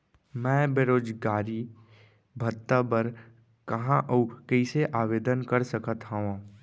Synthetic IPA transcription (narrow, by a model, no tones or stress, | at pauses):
mɛ̃ːbeɾoːd͡ʒɡaːɾi | bʱət̪ːabəɾ | kɐɦãʔəukəɪseʔaːʋeːd̪ənkəɾsəkət̪ɦaã